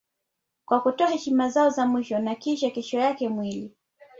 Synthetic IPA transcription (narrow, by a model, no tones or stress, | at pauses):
kwakutɔahɛʃimazaɔzamwiʃɔnakiʃakɛʃɔjakɛmwili